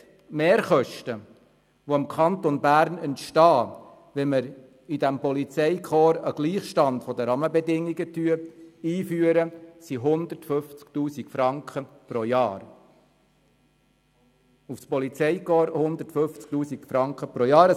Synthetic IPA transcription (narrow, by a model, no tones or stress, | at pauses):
meːɾχœʃtə | ʋoɪmkʰɑnt̪onbæːɾnɛntʃtɑː | ʋɛməɾ | id̪æmpɔlit͡sɛɪkʰɔːɾəɡ̥liːχʃtɑndfɔd̪əɾɑməbɛdɪŋːiɡətyəiːfyːəɾəsiɦʊnd̪ətfɵft͡skt̪uːsikfɾɑŋkχə | pɾojɑːɾ | ufspɔlit͡sɛɪkɔːɾhʊnd̪ətfɵft͡sk̚t̪uːsikfɾɑŋkχəpɾojɑːɾ